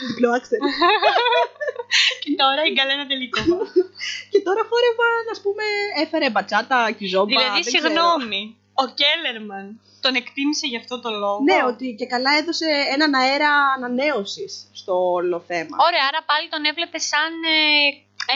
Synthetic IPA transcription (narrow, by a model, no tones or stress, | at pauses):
ðiploɐkst̪eɾ | cet̪oɾɐɡɐlenɐt̪eliko | ce̞t̪o̞ɾɐfoɾe̞vɐnɐspume̞efe̞ɾebɐt͡sɐt̪ɐcizo̞ðilɐðisiɣno̞mi | oceleɾmɐn | t̪o̞ne̞kt̪imise̞ʝɐːft̪o̞t̪o̞lo̞ɣne̞o̞t̪ice̞kɐlɐe̞ðo̞se̞enɐnɐe̞ɾɐːnɐne̞o̞sisːt̪o̞olo̞θe̞mɐ̰oɾeɐɐɾɐpɐlit̪o̞ne̞vle̞pe̞sɐne